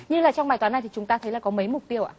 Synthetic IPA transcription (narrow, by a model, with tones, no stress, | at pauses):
ɲɨ˧laː˨˩t͡ɕɔ˧wŋ͡mɓaː˨˩jt̪wa˨˦na˨˩jt̪ʰi˨t͡ɕʊ˨˦ŋ͡mt̪aː˧t̪ʰə˨˦jlaː˨˩kɔ˨˦mə˨˦jmʊ˨˩k͡p̚t̪i˧əwʔa̰ː˧˨˩